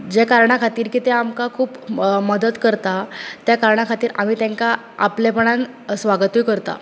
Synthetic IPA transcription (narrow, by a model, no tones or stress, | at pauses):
d͡ʑjakaɾɳakʰat̪iːɾkiːt̪eamkakʰuːpməd̪ət̪kəɾt̪at̪jakaɾɳakʰat̪iːɾʔamiːt̪jaŋka | aplapəɳãŋ | sʋaɡt̪ujkəɾt̪a̰